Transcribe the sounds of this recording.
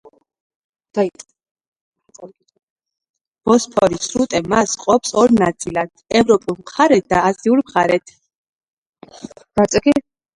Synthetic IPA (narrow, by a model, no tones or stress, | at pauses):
d̪̥a | b̥ɔspʰɔɾisɾut̪ʼɛmasqʼɔpsɔɾnat̪sʼilat̪ʰɛvɾɔpʼulˠmχaɾɛt̪̚d̪aːziuɾmχaɾɛt̪ʰ | ɡat̪sʼɡi